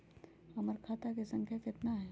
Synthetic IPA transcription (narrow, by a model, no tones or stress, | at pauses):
ɐməɾkʰaːt̪akesɐ̃ŋkʰjakɪt̪naɦɛː